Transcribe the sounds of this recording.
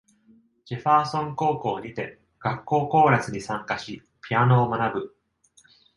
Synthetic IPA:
d͡ʑ̥eɸaːsõ̞ŋko̞ːko̞ːɲ̟it̪e̞ | ɡ̥akːo̞ːko̞ːɾat͡sɨɲ̟isãŋkaɕi | pʲiano̞ːmanabɯ̟

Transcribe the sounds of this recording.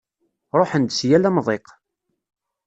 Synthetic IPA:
ɾˤoħənd̪sjælæmðˤeq

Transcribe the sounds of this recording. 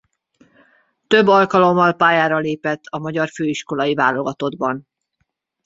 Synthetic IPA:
t̪ø̞bːɒlkɒlo̞mːɒlpaːjaːɾɒleːpɛt̪ʰːɒmɒɟɒrføːiʃko̞lɒivaːlo̞ɡɒt̪o̞d̪bɒn

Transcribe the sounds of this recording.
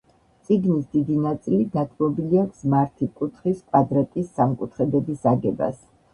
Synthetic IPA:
t̪sʼiɡnisd̪id̪inat̪sʼilid̪at̪ʰmɔbiliakʰsmaɾt̪ʰikʼut̪ʰχiskʼwad̪ɾat̪ʼisːamkʼut̪ʰχɛb̪ɛbisaɡɛba̰s

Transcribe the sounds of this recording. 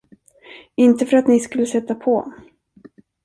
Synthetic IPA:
ɪnt̪əfœɾat̪nɪskɵlːəsɛt̪ːapʰɔ

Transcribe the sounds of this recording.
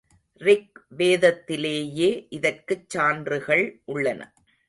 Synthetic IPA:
rɪk̚ʋeːðɐt̪ːɪleːjeːʔɪðɐrkɯt͡ʃːaːndrɯɣɐɭʔʊɭːɐnɐ̰

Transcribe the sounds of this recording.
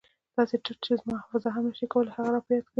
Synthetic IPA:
d̪̥ɑseʈɪk̚t͡ʃezmɑfazɑɦanaʃikawəlhaɣaɾɑpjat̪kə

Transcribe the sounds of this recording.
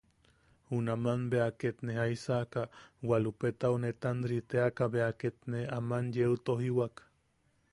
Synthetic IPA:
unamanbeaket̪neaisakawalupet̪aunet̪anɾit̪eakaβeaket̪neamanjeut̪oɦiwak

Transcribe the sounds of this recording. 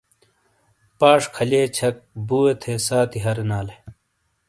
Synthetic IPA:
paːʂkʰɐleːt͡ɕʰɐk̚buːet̪ʰeːsaːt̪ʰiɦɐɾenaːle

